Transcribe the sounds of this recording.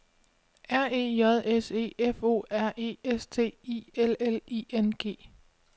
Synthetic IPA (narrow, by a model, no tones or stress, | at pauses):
æɐ̰e̝̰ːjɒð̞ˠese̝̰ːefo̝̰ːæɐ̰ʔe̝̰ːest͡sʰe̝̰ːielelḭːenɡ̥e̝̰ː